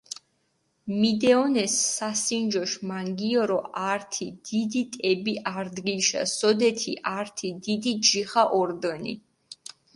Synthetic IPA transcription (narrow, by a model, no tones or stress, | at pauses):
mid̪ɛɔnɛsːasind͡ʒɔʃmaŋɡiɔɾɔʔaɾt̪ʰid̪̥id̪it̪ʼɛbiʔaɾd̪ɡilʃa̰sɔd̪ɛt̪ʰḭʔaɾt̪ʰid̪id̪id͡ʒiχaʔɔɾd̪ənḭ